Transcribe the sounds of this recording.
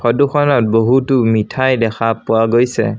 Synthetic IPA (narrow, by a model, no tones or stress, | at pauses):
pʰɔduxʰɔnɔt̚boɦutʊmitʰajdɛxʰapʊwaɡojsɛ̰